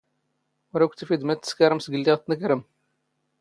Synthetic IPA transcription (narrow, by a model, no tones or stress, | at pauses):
wɾækʷt̪ːəfid̪mæt̪ːə̥skaɾəmsɡəlːiʁt̪ːnəkɾəm